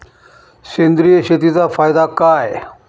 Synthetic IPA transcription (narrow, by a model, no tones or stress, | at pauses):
ɕẽnd̪ɾijəɕet̪it͡safajd̪akaj